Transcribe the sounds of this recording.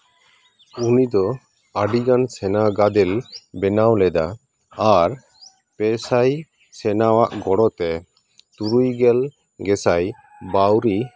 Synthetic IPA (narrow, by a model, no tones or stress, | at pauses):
unid̪ɔ | aɖiɡansɛnaɡad̪ɛlbɛnawlɛd̪a | aɾ | pɛsaj | sɛnawaʔɡɔɽɔt̪ɛ | t̪uɾujɡɛl | ɡɛsaj | bawɾi